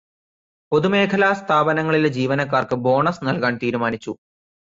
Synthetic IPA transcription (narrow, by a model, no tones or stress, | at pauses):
o̞ðume̞ːkʰɐlaːst̪ʰaːbɐnɐŋːɐɭiled͡ʑiːʋɐnɐkːaːrkɨbo̞ːɳɐsnɐlkaːnt̪iːɾumaːnit͡ɕːu